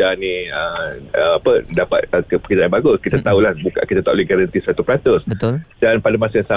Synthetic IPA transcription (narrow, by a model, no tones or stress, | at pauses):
anĩəəapədapa̰t̪̚əkəpəkidaʔanbaɡʊskit̪at̪aulahbuka̰kit̪at̪aʔlɛhɡaɾant̪isat̪upəɾat̪ʊsbəʊdanpadamasajãŋsa